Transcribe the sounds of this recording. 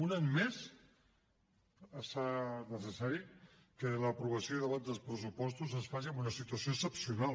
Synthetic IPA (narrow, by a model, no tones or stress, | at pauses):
unaɲmes | əsanəs̬əsaɾi | kələpɾuβəsioðəβand̪əlˠspɾəsupɔst̪uzənsfaʒiəmbunəsit̪uəsioəksəpsiunalˠ